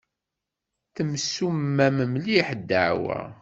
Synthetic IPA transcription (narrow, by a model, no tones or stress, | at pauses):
θəmsːumːæməmliħd̪ːəʕwæ̰